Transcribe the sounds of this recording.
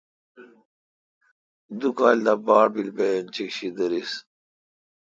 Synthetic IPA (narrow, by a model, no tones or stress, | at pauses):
d̪ukaːld̪abaːɽbilbent͡ɕikɕid̪uɾis